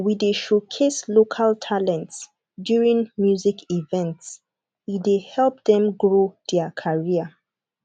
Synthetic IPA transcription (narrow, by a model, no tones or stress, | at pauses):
wideʃokʰeslokʰaltʰalɛ̃nts | djuɹĩŋmjuzikʰivɛ̃nts | idehɛlp̚dɛ̃mɡɹodɛəkʰaɹiə